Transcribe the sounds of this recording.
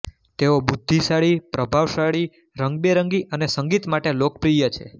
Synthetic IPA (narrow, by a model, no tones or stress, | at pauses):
t̪eobud̪ʱːisaɭipɾəbʱaʋsaɭi | ɾəŋɡbeɾəŋɡiʔənesəŋɡit̪maʈelok̚pɾijət͡ʃʰḛ